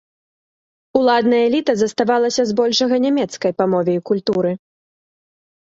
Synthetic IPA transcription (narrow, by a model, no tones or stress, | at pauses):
ulˠad̪nɐjɛlʲit̪ɐzɐst̪avalˠɐsʲɐzbɔlʲʂɐɣɐnʲamʲɛt̪skɐjpɐmɔvʲɛjkulʲt̪uɾɨ